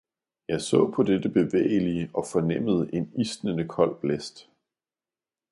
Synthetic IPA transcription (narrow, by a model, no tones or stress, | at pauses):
jɑ̈ɪsɔ̰̽ːpʰɒ̽d̥ed̥əb̥e̝ʋḛːɪəliəʔɒ̽fɒ̽nem̰əð̞ˠʔe̝nisd̥nənəkʰɒ̽l̰b̥lesd̥